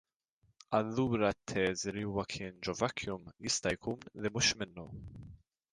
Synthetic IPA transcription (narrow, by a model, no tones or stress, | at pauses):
ɐlːuːɾɐt̪ʰːɛːzliuːwɐkʰɪːnd͡ʒɔvɐkʰːjʊmjɪst̪ɐjkʰuːnlɪmʊʃmɪnːɔ̰